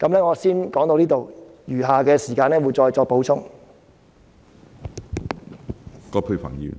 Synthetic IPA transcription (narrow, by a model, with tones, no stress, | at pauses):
kɐ˨˧˥mlɛː˥ŋɔː˨˧siː˥nkɔː˨˥ŋt̪o˧wliː˥t̪o˨wjyː˨˩ɦaː˨kɛː˧siː˨˩kaː˧nɛː˥wu˨˧jt͡sɔː˧jt͡sɔː˧k̚po˨˥wt͡sʰʊ˥ŋ | kɔː˧pʰu˧ɥfʰa̰ː˨˩ŋjḭ˨˧